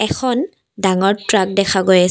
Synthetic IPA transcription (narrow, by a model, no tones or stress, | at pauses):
ɛkʰɔn | daŋɔɹtɹak̚dɛkʰaɡoja